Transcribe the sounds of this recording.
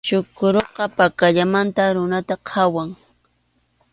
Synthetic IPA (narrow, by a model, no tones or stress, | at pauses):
t͡ʃʊkʊɾoqɑpakaʎamant̪aɾʊnat̪aqʰɑwaŋ